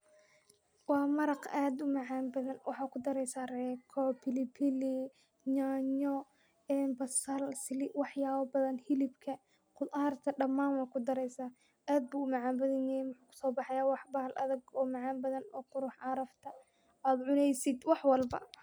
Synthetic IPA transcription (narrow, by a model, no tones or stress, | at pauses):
wɑːmɐɾɑqaːd̪ʊmɐʕaːmbɐðɐnwɑħɑːkʰʊd̪ɐɾɛjsaːrɛːkʰɔpʰɪlɪpʰɪli | ɲaːɲɔ | ɛːnbɐsɐlsɪlɪwɑħjaːβɐbɐðɐnhɪlɪbkʰɐ | qʊðaːrt̪ʰɐɖɐmːaːnwɑkʰʊd̪ɐɾɛjsaː | aːd̪̚buːʊmɐʕaːmbɐðɐnjɛjɛmʊħuːkʰʊ̥sɔːbɑħɛjaːwɑħbɐhlʔɐ̰ðɐɡɔːmɑʕɑːmbɐðɐnɔ̰ːqʊɾʊħɑɾɐft̪ʰɐ | aːd̪ʕʊnɛjsɪd̪wɑħwɑlbɐ̰